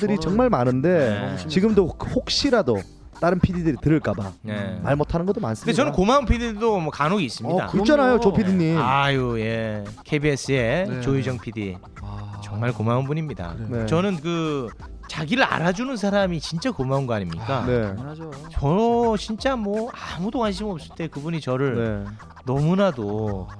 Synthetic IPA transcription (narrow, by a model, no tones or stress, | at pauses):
dɯɾit͡ɕʌŋmaɭmanɯnde̞et͡ɕiɡɯmdohok̚ɕ͈iɾado | t͈aɾɯnpʰididɯɾitɯɾɯɭk͈aba̰ne̞ma̰ɭmotʰanɯnɡʌt͈oma̰ns͈ɯmndeʌnɯnkomaunpʰididomʌkanoɡiːs͈ɯmida̰t͡ɕanajot͡ɕopʰidiɲimajoje̞kʰebies͈ɯe̞t͡ɕoid͡ʑʌŋpʰidi | t͡ɕʌŋmaɭkomaunbuɲimɲida̰nt͡ɕʌnɯnkɯ | t͡ɕaɡiɾɯɾa̰ɾad͡ʑunɯns̬ʰaɾamit͡ɕint͡ɕ͈akomaunɡʌaɲimɲḭk͈anet͡ɕʌt͡ɕint͡ɕ͈amwʌamudokwanɕ̬ʰimʌp̚s͈ɯɭt͈e̞kɯbuɲit͡ɕʌɾɯɭe | nʌmunado